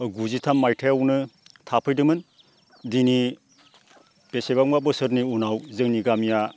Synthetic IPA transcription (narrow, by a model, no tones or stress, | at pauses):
ɡuzitʰamːajtʰajawnɯtʰapʰɯjdɯmɯn | dini | b̥esebaŋmabɯsɯɾniunawzɯŋniɡamija